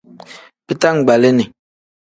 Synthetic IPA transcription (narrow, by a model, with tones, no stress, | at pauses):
bɨ˦ta˦ŋ̩˨ɡ͡ba˨le˦ni˨